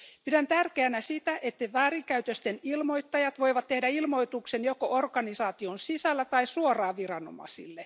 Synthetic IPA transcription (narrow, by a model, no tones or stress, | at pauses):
pidænt̪ærkeænæsit̪æʔet̪ːeʋæːriŋkæyt̪øst̪enilmoit̪ːɑjɑt̪ʋoiʋɑt̪ːehdæilmo̞jt̪uksenjokoʔorɡɑnisɑːt̪ionsisælːæt̪ɑisuorˑɑːʋirɑno̰mɑ̰sḭlːe